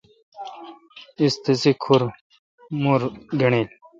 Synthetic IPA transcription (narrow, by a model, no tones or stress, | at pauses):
ist̪isikʰuɾ | muɾɡɐɳil